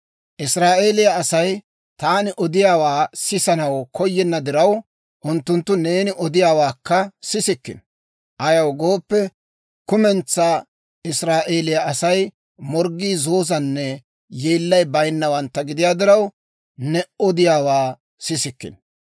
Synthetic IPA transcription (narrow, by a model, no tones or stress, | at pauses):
ʔɪsɾaːʔe̞ːlɪjɐɐsɐj | t̪aːnɪʔɔd̪ɪjaːwaːsɪsɐnɐwkʰɔjːɛnːɐd̪ɪɾɐw | ʔʊnt̪ːʊnt̪ːʊne̞ːnɪʔɔd̪ɪjaːwaːkːɐsɪsɪkːɪ̰n | ʔɐjɐwɡoːpːɛ | kʊmɛnt͡sːaː | ɪsɾaːʔe̞ːlɪjɐʔɐsɐj | mɔɾɡːiːzo̞ːzɐnːɛ | jeːlːɐjbɐjnːɐwɐnt̪ːɐɡɪd̪ɪjaːd̪ɪɾɐw | nɛɔd̪ɪjaːwaː | sɪsɪkːɪ̰n